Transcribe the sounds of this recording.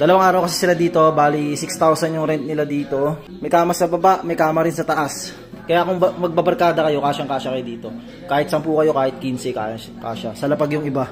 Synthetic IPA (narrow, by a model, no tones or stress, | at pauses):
d̪ɐlɐwaŋʔaːɾɐwkɐsɛ̥sɪlad̪iːt̪o̞baːlisɪkst̪awsɐnjʊŋɾɛnt̪̚nɪlad̪iːt̪o̞ | mɐjkaːmɐsɐbɐbaʔmɐjkaːmɐɾɪnsɐt̪ɐʔas | kɐjakʊŋbɐmɐɡ̚bɐbɐɾkaːd̪ɐkɐjo̞kaːʃɐŋkaːʃɐkɐjod̪iːt̪o̞ | kaːhɪt̪̚sɐmpuːkɐjo̞kaːhɪt̪̚kinsɪka̰ː | ka̰ːʃɐsɐlɐpaɡjʊŋɪba